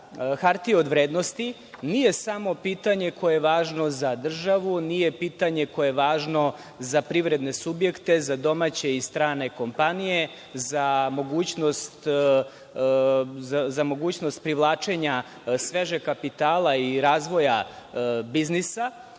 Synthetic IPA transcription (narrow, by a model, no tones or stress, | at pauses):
xaɾt̪io̞d̪ʋɾeːd̪no̞st̪i | nije̞samo̞piːt̪aɲe̞kʰo̞eeʋaːʒno̞zad̪r̩ʒaʋunije̞piːt̪aɲe̞ko̞jeʋaːʒno̞ | zapɾiʋɾe̞d̪ne̞subje̞kt̪e̞zad̪o̞mat͡ɕe̞ist̪ɾaːne̞ko̞mpanije̞ | zamo̞ɡuːt͡ɕnost̪ | azamo̞ɡuːt͡ɕnost̪̚pɾiʋlˠaːt͡ʃe̞ɲa | sʋeʒe̞kapit̪aːlˠaiɾaːzʋo̞ja | biznisa